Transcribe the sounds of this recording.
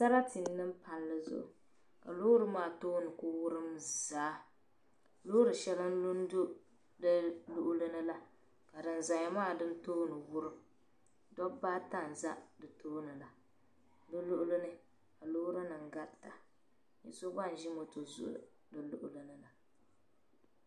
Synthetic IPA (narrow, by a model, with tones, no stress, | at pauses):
sa˦ɾa˦ti˨nːɨ˦mpa˨llɨ˦zʊ̰˦ʔʊ̰˨ | ka̰˨lʊ˦ɾɨ˦maː˦˨toː˦nɨ˨ko˦wʊ˦ɾɨ˦mzaː˨˦ | lʊ˦ɾɨ˨ʃɛ˦lɨ˦n˦lu˦n˦do˦ | dɨ˦lʊ˨ʔʊ˦lɨ˦nɨ˦la˦ | ka˨dɨ˨n˨za˨ɲa˨maː˦˨dɨ˦ntoː˦nɨ˨wʊ˦ɾɨ˦m | dɔ˦baː˦ta˦n̩˨za˦dɨ˨toː˦nɨ˨la˨ | dɨ˦lʊ˦ʔʊ˦lɨ˦nɨ˦ | ka˨lʊ˦ɾɨ˦nɨ˨ŋ˨ɡa˦ɾta˨ | jɛ̰˦so˦ba˦n̩˨ʒi˦mo˨to˨zʊ̰˦ʔʊ̰˦˨ | dɨ˨lʊ̰˦ʔʊ˦lɨ˦nɨ˨la˨